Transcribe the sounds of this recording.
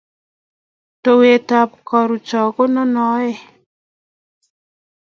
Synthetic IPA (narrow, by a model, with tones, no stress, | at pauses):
to˨we˨ta˨p̚kɔ˨ɾu˨t͡ʃɔ˨ko˦nɔ˦nɔ˨˦jɛ˦˨